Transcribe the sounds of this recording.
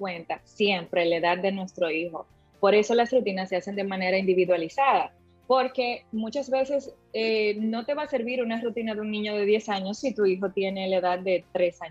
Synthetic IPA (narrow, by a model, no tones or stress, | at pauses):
we̞nt̪asje̞mpɾe̞le̞ðad̪ːe̞nwe̞st̪ɾo̞iho̞̰ | po̞ɾe̞so̞lasrut̪inasːe̞ase̞nd̪e̞mãne̞ɾaind̪iβiðwalisaða | po̞ɾke̞mũt͡ʃazβe̞se̞s | eno̞t̪e̞βase̞ɾβiɾunarut̪inaðeunĩɲo̞ð̞e̞ðje̞saɲo̞sːit̪uixo̞t̪je̞ne̞laeðad̪̚d̪e̞t̪ɾe̞sa